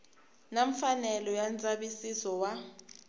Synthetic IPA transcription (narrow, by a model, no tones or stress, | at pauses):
naɱfanɛlɔjant͡sʼaɓisisɔwa